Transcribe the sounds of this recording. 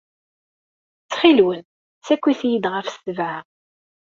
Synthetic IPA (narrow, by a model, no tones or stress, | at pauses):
t͡sːχilwən | sækʷːiθjid̪ʁəfst̪əvʕa